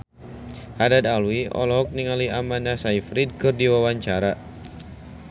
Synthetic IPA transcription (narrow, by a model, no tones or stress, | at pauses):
ʔadadalwiʔɔ̰lɔɦɔk̚niŋaliamandasaifɾid̚kɨrdiwawaɲt͡ʃaɾa